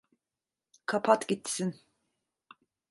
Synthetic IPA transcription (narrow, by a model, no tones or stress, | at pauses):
kʰapʰat̪ɟit̪ʰːi̥sin